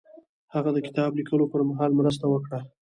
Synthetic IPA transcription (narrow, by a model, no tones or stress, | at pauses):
haɣad̪əkɪ̥t̪ɑblikəlopəɾmaɦɑlmɾəs̬t̪awəkɽa